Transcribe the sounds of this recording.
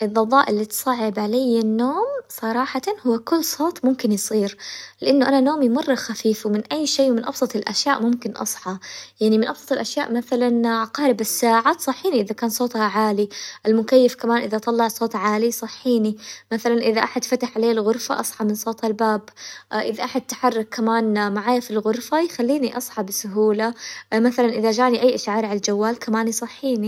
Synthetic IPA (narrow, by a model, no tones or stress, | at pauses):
ʔɨðˤːɑðˤɑːʔɪlːit̪sˤɑʕːɪbʕalajːanːoːmsˤɑɾˤɑːħɑhʊwːkʊlːsˤoːt̪ˤmʊmkɪnjsˤiːɾlɪʔanːʊʔananoːmjmʊrˤːxafiːfwmɪnʔajːʃeːmɪnʔɑ̰bsˤɑt̪ˤɪlʔaʃjaːʔmʊmkɪnʔɑ̰sˤħɑjaʕnimɪnʔɑbsˤɑ̥t̪ˤɨlʔaʃjaːʔmaθalanqɑːɾɪbɪsːaːʕasˤɑħːiːniʔɪðakaːnsˤoːt̪haʕaːliʔalmʊkajːafkamaːnʔɪðat̪ˤɑlːɑʕsˤoːt̪ˤʕaːlisˤɑħːiːnimaθalanʔɪðaʔaħad̪fat̪aħʕaleːlɣʊɾfa̰ʔɑsˤħɑmɪnsˤoːt̪ˤhalbaːbʔɪðaʔaħad̪̚t̪ːḁħɑrˤːɑkʰːamaːnmaʕaːjafilɣʊɾfajxalːiːniʔɑsˤħɑbɪsʊɦuːlamaθalanʔɪðad͡ʒaːʕniʔajːʔaʃʕɑːɾˤʕalad͡ʒawːaːlkamaːnisˤɑħːiːni